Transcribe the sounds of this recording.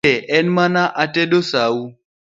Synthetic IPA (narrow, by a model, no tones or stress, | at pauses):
ɛʔɛnmanaʔatɛɗosau